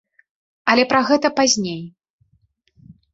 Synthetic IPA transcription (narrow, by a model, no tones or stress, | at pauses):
ɐlʲɛpɾaɣɛt̪ɐpazʲnʲej